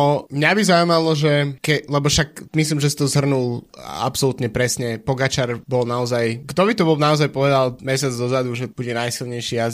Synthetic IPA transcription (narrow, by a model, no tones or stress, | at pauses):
ɔmɲabizaumalɔʒɛkɛlɛbɔʃakmislimʒɛsi̥t̪ɔzɦr̩nula̰psɔlut̪ɲɛpɾɛsɲɛpɔɡat͡ʃaɾbɔlˠnaɔzajɡd̪ɔβit̪ɔbɔlnaɔzajpɔʋɛd̪alˠmɛsɪad͡zd̪ɔzad̪uʒɛbuɟɛnajsilˠɲɛjʃiaz